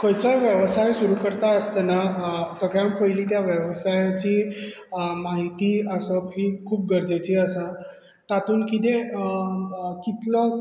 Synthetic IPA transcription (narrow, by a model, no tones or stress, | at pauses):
kəjt͡ɕajʋjəʋsajsuɾukəɾt̪aəst̪anasəɡɭjampəiliːt̪jaʋjəʋsajat͡ɕiː | maɦit̪iːəsəpʰiːkʰuːp̚ɡəɾd͡ʑat͡ɕiːəsa | t̪at̪uːnkit̪e | kit̪lə